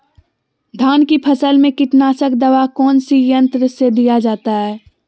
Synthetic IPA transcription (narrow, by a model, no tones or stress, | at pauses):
d̪ʱaːnkipʰəsəlmẽkɪʈnaːsəkd̪əʋakɔːnsijə̃nt̪ɾəsed̪ijad͡ʒaːt̪aɦɛː